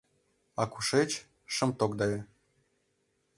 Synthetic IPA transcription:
ɑkuʃet͡ɕ | ʃə̆mt̪okd̪ɑje

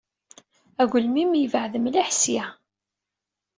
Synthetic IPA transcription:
æɣʷlmimjəvəʕðəmliħsi

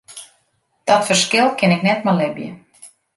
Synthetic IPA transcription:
d̥ɔtfərskɪlˠkʰɪnɪknɛtmalɪbjə̰

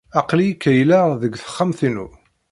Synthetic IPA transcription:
ɑqlijikːæjlaðəɡθə̥χːamθinu

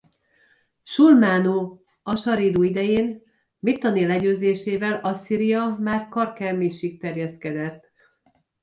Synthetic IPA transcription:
ʃulmaːnoː | ɒʃɒɾiːd̪oːid̪ɛjeːn | mit̪ːɒnilɛɟøːzeːʃeːvɛlɒsiːɾijɒmaːrkɒrkɛmiʃik̚t̪ɛrjɛst̪kɛd̪ɛt̪ː

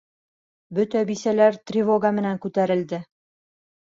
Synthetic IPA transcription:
bɵt̪æbisælæɾt̪rʲɪvoɡamɘ̆næŋkʉt̪æɾɘ̆ld̪ɘ

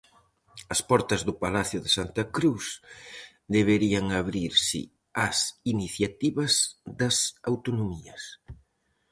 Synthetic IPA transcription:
ɐspɔɾt̪ɐzðʊpalaθjʊðesant̪ɐkɾus | d̪eβ̞eɾiɐŋaβɾiɾsɪ̰ | ɐsiniθjat̪iβɐzðɐsawt̪onomiɐs

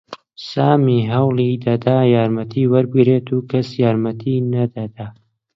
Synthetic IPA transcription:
saːmiɦɐwlˠid̪ɐd̪aːjaːɾmɐt̪ʰiːwɐɾbɨɡɾeːt̪ʰuːkʰɐsjaːɾmɐt̪ʰiːnɐd̪ɐd̪aː

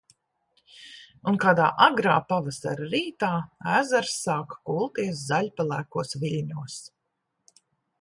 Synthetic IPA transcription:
unkaːd̪a̰ːʔaɡɾaːpavasa̰ɾaɾiːt̪aːæːzaɾsːaːkkuːlˠt̪iɛs̬zaʎʲpalˠæːkuɔsviʎʲɲuɔs

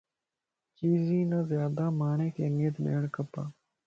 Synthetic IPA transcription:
t͡ʃiːziːnãːzjaːd̪aːmaːɳeːkeːnẽːt̪nḛːɳkəpaː

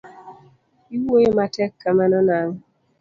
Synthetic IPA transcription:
iwojematɛkːamanɔnaŋ

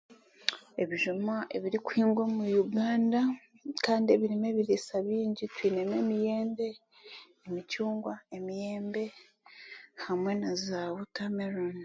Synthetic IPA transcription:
e̞βiʒumaʔe̞βiɾikuhiːŋɡwo̞mujuɡaːnda | kaːndie̞βiɾime̞βiɾisaβiːɲɟitwiːneme̞mije̞ːnde̞ː | micuːŋɡwae̞mije̞ːmbe̞ | hamwe̞nazaβokameɾon

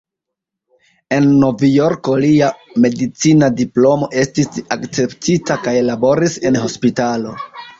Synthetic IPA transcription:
e̞nːo̞vjo̞ɾko̞lia | me̞dit͡sinadiplo̞mo̞ʔe̞stisakt͡se̞ptʰitakajlabo̞ɾise̞nɦo̞spitalo

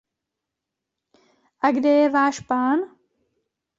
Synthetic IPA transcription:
ʔaɡdɛjɛvaːʃpaːn

